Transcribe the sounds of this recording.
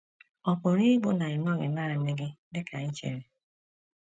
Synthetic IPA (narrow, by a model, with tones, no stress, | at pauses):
ɔ˨pʊ˨ɾi˦ɡ͡bʊ˦na˨ɪ˨n˦ɔ˦˨ŋe˨na˦ɾa˨˦ne˦ɡɪ˦dɪ˦kʰa˨ɲi˦t͡ʃḛ˨ɾe˨